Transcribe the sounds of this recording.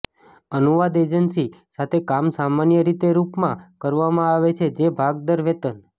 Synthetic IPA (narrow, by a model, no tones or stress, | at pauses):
ənuʋad̪ed͡ʒənsisat̪ʰekamsamanjəɾit̪eɾupmãkəɾʋamãaʋet͡ʃʰed͡ʒebʱaɡ̚d̪əɾʋet̪ən